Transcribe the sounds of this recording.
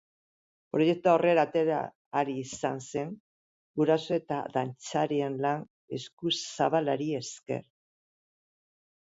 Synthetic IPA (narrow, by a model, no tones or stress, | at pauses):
pɾoʝe̞k̚t̪uaore̞ɾat̪eɾa̰ː | ɾiːsanse̞ŋ | ɡuɾaso̞e̞t̪aðant͡saɾienlan | e̞skusaβalaɾie̞ske̞̰ɾ